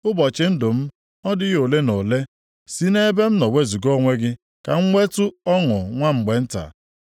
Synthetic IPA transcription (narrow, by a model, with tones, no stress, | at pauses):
ʊ˦bɔ˨t͡ʃɪ˨n̩˦dʊ˨m̩˦ | ɔ˦dɪ˦ɣo˨le˦no˨le˦ | si˦ne˦be˦m̩˦nɔ˨we˦zu˨ɡo˦ŋʷe˦ɡɪ˦ | ka̰˨ŋ̩˦ŋʷe˦tʊ˦ɔ˦ŋʊ˨ŋʷa˦ŋ͡m̩˨ɡ͡be˨n̩˦ta̰˨